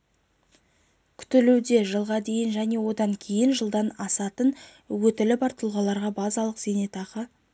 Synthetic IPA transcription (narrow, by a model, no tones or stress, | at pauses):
kʲʰʏ̥t̪ɪluwd̪e̞ʒəlˠʁɑd̪e̞jɪnʒæne̞wo̞d̪ɑŋkʲʰe̞jɪnʒəlˠd̪ɑnɑsɑt̪ən | wɵt̪ɪlɪbɑɾt̪ʰəlˠʁɑlˠɑɾʁɑbɑzɑlˠəqz̥e̞ne̞t̪ɑqə